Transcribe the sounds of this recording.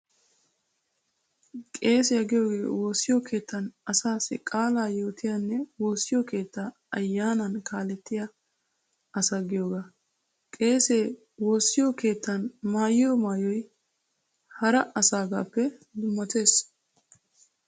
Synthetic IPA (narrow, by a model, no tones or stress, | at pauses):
kʼe̞ːsɪjɐɡɪjo̞ːɡe̞̰ːwo̞ːsːɪjokʰe̞ːt̪ʰːɐnɐsaːsɪ̰kʼaːlaːjo̞ːt̪ɪjanːɛwo̞ːsːɪjoke̞ːt̪ːa | ɐjːaːnɐnkʰaːlɛt̪ːɪjɐ | ɐsɐɡɪjo̞ːɡa | kʼe̞ːse̞ː | wo̞ːsːɪjoke̞ːt̪ːɐnmaːjɪjɔmaːjɔj | hɐɾɐʔɐsaːɡa̰ːpːɛd̪ʊmːɐt̪e̞ːs